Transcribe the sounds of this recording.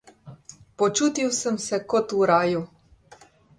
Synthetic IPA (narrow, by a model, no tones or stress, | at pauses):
pɔt͡ʃuːt̪iwsəmsɛkɔt̪uɾaːju